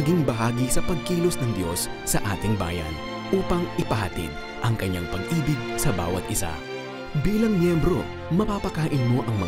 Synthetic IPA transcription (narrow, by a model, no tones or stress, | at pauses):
ɐɡiŋbɐɦaːɡisɐpɐɡ̚kiːlosnɐŋd̪jo̞sːɐʔaːt̪ɪŋba̰ːjɐ̰n | ʔuːpɐŋʔɪpɐhɐt̪ḭd̪̚ | ʔɐŋkɐɲːaŋpɐɡʔiːbɪɡ̚sɐba̰ːwɐ̰t̪̚ʔɪsa̰ | biːlɐŋmjɛmbɾo̞ | mɐpapɐkaːʔɪnmo̞ʔɐŋmɐ